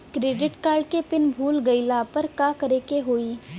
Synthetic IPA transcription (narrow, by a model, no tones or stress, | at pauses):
kɾeːɖɪʈkaːɾɖkepɪnbʱuːlɡɐɪlapɐɾkaːkɐɾekeɦoːiː